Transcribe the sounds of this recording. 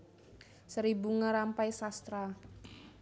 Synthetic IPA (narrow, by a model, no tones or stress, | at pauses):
səɾibuŋaɾampajsast̪ɾa